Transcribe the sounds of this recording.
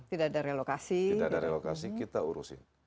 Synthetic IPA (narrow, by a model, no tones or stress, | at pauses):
t̪idaʔadaɾelokasiidaadaɾelokasikkit̪auɾṵsɪ̰n